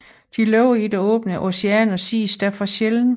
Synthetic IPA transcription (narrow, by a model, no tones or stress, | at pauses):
d̥ilɔʊ̰id̥eɔ̰̽ːb̥nəʔo̝seɛnɒ̽sḭːsd̥æɐfʁɑ̈ɕeln̩